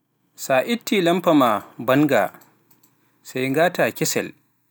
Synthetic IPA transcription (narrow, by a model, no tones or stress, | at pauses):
saːʔɪtːiːlɐmpɐmabɐŋɡa̰ | sajŋɡaːtaːkʲɪsɛ̰l